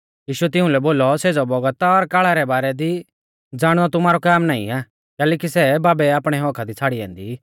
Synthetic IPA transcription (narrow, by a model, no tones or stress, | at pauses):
jiːʃʊɛt̪ɪ̃ʊ̃lɛboːlɔseːd͡zɔbɔɡət̪aɔɾkaːɭaɾɛbaːɾɛd̪i | d͡zaːɽ̃ɔt̪ʊmaːɾɔkaːmnaːḭ̃aː | kɛːlɛːkisɛbaːbɛaːpɽ̃ɛɦɔ̃ːkʰad̪it͡sʰaːɽiɛ̰̃ːnd̪ḭː